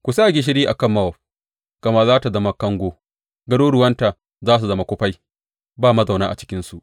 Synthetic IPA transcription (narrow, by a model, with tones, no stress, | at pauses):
kʷu˨saː˦˨ɡʲe˨ʃ̬ɪ˦ɾiː˦ʔa˨kɐ˦˨mːɐ˦wɐ˨ | kɐ˨ma˦zaː˦ta˨zɐ˦ma˦kɐ˦ŋɡʷoː˦ | ɡɐ˦doː˦ɽʊ˨wɐ˦nta˨ | zaː˦s̬u˨zɐ˦ma˦kʷʊ˦ɸa˦j | baː˦˨mɐ˦za˨wnaː˦ʔa˨t͡ʃɪ̥˦kʲɪ˦nsu˨ʔ